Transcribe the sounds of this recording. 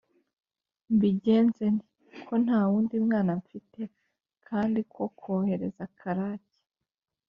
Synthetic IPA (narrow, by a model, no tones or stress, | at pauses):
mbiɟe̞ːnzeni | kʰo̞n̥haːwuːndimŋaːnaɱfite̞ | kʰaːndikʰo̞kʰoːhe̞ɾe̞zakʰaɾace̥